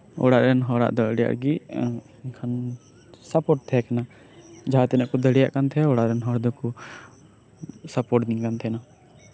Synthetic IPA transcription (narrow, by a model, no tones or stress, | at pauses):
ɔ̰ɽaʔɾɛnɦɔɽa̰ʔd̪ɔɽija̰ʔɡi | kʰan | sapoʈ̚t̪ʰɛkana | d͡ʒat̪ɛnaʔkɔd̪əɽjaʔkant̪ʰɛɔɽaɾɛnɦɔɽd̪ɔku | sapoʈd̪ĩkant̪ʰɛna